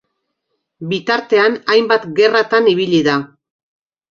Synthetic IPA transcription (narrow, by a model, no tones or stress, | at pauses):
bit̪aɾt̪e̞anajmbat̪ɡe̞rat̪aniβiʎiða